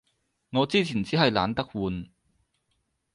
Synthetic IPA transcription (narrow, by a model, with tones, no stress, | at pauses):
ŋɔː˨˧t͡siː˥t͡sʰiː˨˩nt͡siː˨˥ɦɐ˨jlaː˨˧nt̪ɐ˥k̚wuː˨˧n